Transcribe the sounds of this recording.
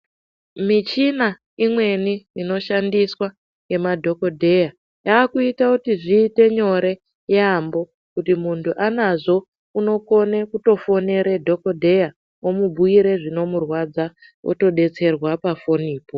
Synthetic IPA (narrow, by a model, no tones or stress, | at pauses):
mit͡ʃina | imwe̞niino̞ʃandiswa | je̞madʱo̞ko̞dʱeja | jaːkuitakutiʐiːte̞ɲo̞ɾe̞ | jambo̞ | kutimuntʰuʔanaʐo̞ | uno̞ko̞ne̞kuto̞fo̞ne̞ɾe̞dʱo̞ko̞dʱe̞ja | omubʱuiɾe̞ʐino̞murwad͡za | wo̰to̞ɗe̞t͡se̞rwapafo̞niːpo̞